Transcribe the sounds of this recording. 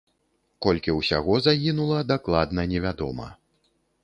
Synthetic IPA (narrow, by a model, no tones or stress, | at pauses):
kɔlʲkʲiwsʲa̰ɣɔzaɣʲinulˠɐd̪aklˠad̪nɐnʲɛvʲad̪ɔ̰mɐ̰